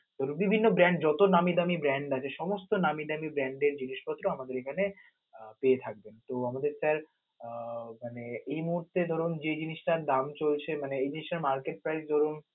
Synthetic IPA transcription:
d̪ʱɔɾunbibʱinːobɾɛɳɖ̚d͡ʑɔt̪onamid̪amibɾɛɳɖat͡ɕʰeʃɔmost̪onamid̪amibɾɛɳɖeɾd͡ʑiniʃpɔt̪ːɾoamad̪eɾekʰane | peet̪ʰak̚bent̪oamad̪eɾsaɾ | maneejmuɦuɾt̪ed̪ʱɔɾund͡ʑed͡ʑiniʃʈad̪amt͡ɕolt͡ɕʰemaneejd͡ʑiniʃʈaɾmaɾkeʈ̚pɾaɾsd̪ʱɔɾun

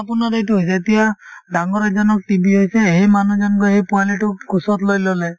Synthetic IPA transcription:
apunaɾejtʊɦojs̬ɛːtijadaŋɡɔɹazɔnɔk̚ʈibʱiɦojsɛɦejmanuzankɔjɦejpʊaliʈʊkusɔtlojlɔlɛ

